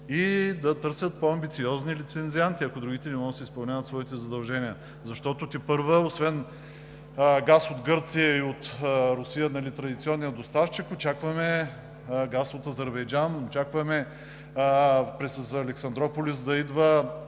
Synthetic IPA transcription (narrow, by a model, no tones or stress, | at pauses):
id̪ɐt̪ɤɾsʲət̪̚poɐmbit̪siɔznilit̪sɛnziant̪iɐkod̪ɾuɡʲit̪ɛnɛmɔɡət̪sɛispɐlˠnʲavɐt̪svɔit̪ɛzɐd̪ɐlˠʒɛnijə | zɐʃt̪ɔt̪ʊt̪ipɤɾvəosvɛn | ɡasod̪ɡɤɾt̪sijəiot̪ɾʊsijənɐlit̪ɾɐd̪it̪siɔnːijəd̪ost̪aft͡ʃikot͡ʃakvɐmɛ | ɡasot̪ɐzɛɾbɛjd͡ʒanot͡ʃakvɐmɛ | pɾɛszɐːlɛksɐnd̪ɾɔpolʲisd̪ɐid̪və